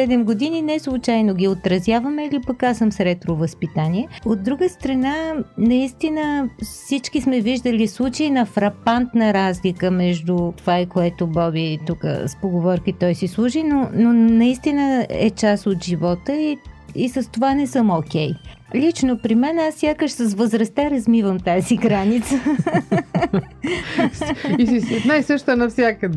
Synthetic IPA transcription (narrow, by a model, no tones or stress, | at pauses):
sɛd̪ɛmɡod̪ininɛslˠut͡ʃajnoɡʲiot̪ɾɐzʲjavəmɛilipɐkasəmsɾɛt̪ɾovəspit̪aniɛod̪ːɾuɡəst̪ɾɐnanɐist̪inəfsit͡ʃkismɛviʒd̪əlislˠut͡ʃəinɐfɾɐpant̪nəɾazlikəmɛʒd̪ut̪ovaikoɛt̪obɔbit̪ukə̰spoɡovɔɾkit̪ɔjsislˠuʒinononɐist̪inəɛ̰t͡ʃasot̪ʒivɔt̪əiisəst̪ovanɛsəmokʲɛj | lʲit͡ʃnopɾimɛnasːjakəʃsəs̬vozɾɐst̪aɾɐzmivəmt̪aziɡɾanit̪sə | iinajsəʃt̪ənɐfsʲjakəd̪